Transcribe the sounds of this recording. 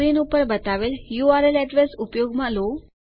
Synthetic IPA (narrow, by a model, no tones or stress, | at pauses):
ɾinupəɾbət̪aʋeljuaɾelɛʈʋəsupjoɡmãlo